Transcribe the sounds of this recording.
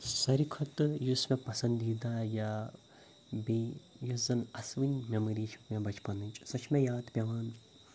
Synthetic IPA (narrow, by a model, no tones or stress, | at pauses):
sɐɾikʰɐt̪jusmẽpɐsɐ̃nd̪iːd̪aːja | bijuzɐnɐsʋinʲmemɐɾiːʃʰu̥kmʲẽbɐt͡ʃʰpɐnɨnʲt͡ʃʼsɐt͡ʃʰmẽjaːd̪pʲɐʋaːn